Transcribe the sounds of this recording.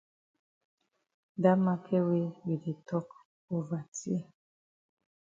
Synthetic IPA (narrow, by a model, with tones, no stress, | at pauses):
da˦ma˦kʰɛ˦we˦wi˨de˨tɔ˦k | o˦va˨ti˦e˦